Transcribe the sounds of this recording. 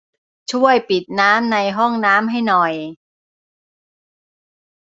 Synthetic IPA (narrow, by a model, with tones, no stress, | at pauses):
t͡ɕʰu˥˩əjpi˨˩t̪̚naː˦˥mna˧jɦɔ˥˩ŋnaː˦˥mɦa˥˩jnɔ˨˩j